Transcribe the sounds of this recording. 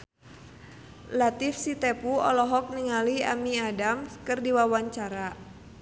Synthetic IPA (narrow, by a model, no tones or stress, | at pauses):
lat̪ifsit̪ɛpuɔ̰lɔɦɔk̚niŋalia̰miadamkərdiwawaɲt͡ʃaɾa